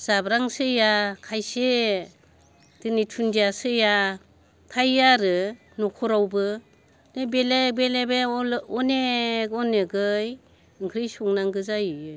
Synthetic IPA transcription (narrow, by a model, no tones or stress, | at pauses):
z̥abɾaŋsɯjakʰajse | d̥ɯnitʰundijasɯja | tʰajːaɾɯ | nɔkʰuɾawbɯ | nebelebelebeɔneɡɔnɯɡɯj | ɯŋkʰɾɯjsuŋnaŋɡɯzajɯ